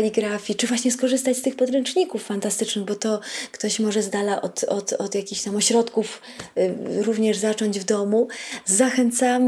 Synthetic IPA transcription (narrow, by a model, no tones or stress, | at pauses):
alʲiɡɾafʲjit͡ʂɨvwaɕɲɛskɔʐɘst̪at͡ɕst̪ɘxpɔd̪ɾɛnt͡ʂɲikufːant̪ast̪ɘt͡ʂnɘɣbɔt̪ɔkt̪ɔɕmɔʐɛzd̪alaʔɔ̰t̪ɔt̪ɔ̰d̪jakʲixɕt̪amɔɕɾɔt̪kuf | ɾuvɲɛʐzat͡ʂɔɲd͡ʑvd̪ɔmuzaxɛnt̪sam